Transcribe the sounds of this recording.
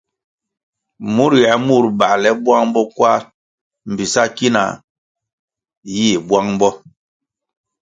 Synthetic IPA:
mu˦ɾja˨mu˦˨ɾba˨lɛ˦bwa˦ŋm˦bɔ˦kwa˦ | m̩˨bi˨sa˦ki˦na̰˨ | jiː˦˨bwa˦ŋm˦bɔ˦

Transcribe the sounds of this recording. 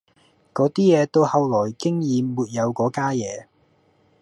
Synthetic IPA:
kɔː˨˥t̪iː˥jɛː˨˧t̪o˥whɐ˨˧wlɔː˨˩jkɪ˥ŋjiː˨˧muː˨t̚jɐ˨˧wkɔː˨˥kaː˥jɛː˨˧

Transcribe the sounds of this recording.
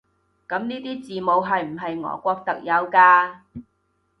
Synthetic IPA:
kɐ˨˥mniː˥t̪iː˥t͡siː˨mo˨˧wɦɐ˨jm̩˨˩ɦɐ˨jŋɔ̰ː˨˧kʷɔː˧k̚t̪ɐ˨k̚jɐ˨˧wkaː˧

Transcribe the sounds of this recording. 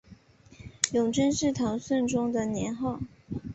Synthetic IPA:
jʊ˨˩ŋʈ͡ʂə˥nʂɻ̩˥˩t̪ʰɑ˧˥ŋswə˥˩nʈ͡ʂʊ˥ŋd̪ə˨njɛ˧˥nxɑ˥˩ʊ

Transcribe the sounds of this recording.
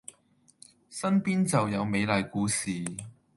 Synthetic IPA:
sɐ˥npiː˥nt͡sɐ˨wjɐ˨˧wme˨˧jlɐ˨jkuː˨˥siː˨

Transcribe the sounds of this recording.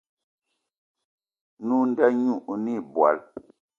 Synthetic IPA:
nu˦n˦dɛ˦ɲu˦˨ʔni˦˨bwa̰˨l

